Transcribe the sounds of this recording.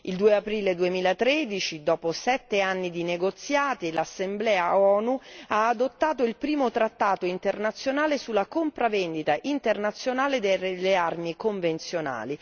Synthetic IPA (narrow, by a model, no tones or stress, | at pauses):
ild̪uːeapɾiːled̪uemiːlat̪ɾed̪it͡ʃid̪ɔːposɛt̪ːeanːid̪ineɡot̪sjaːt̪ilasːemblɛːaɔːnuaːd̪ot̪ːaːt̪oilpɾiːmot̪ɾat̪ːaːt̪oint̪ernat̪sːjonaːlesulːakompɾavɛnd̪it̪aʔint̪ernat̪sjonaːled̪elːearmikoɱvent̪sjona̰ːli